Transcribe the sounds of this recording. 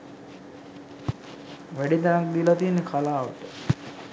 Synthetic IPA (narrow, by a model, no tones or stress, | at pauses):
ʋæɖid̪anak̚d̪ilat̪ienːekʰalaːʋəʈə